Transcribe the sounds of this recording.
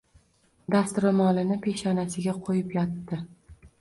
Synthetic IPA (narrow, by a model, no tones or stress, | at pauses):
d̪ast̪ʊɾʊmɒlɪnɪpʰe̞ʃɒnasɪɡʲaqʰojɪpjɒt̪ːɪ